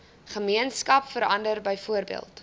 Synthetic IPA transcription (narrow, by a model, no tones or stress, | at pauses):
χəmiənskɐpfəɾɐndərbəjfuərbḭəlˠt